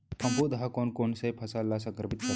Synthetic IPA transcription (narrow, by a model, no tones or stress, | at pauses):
pʰəmpud̪əɦakonkoɳsejpʰəsalːasəŋkɾəpit̪kə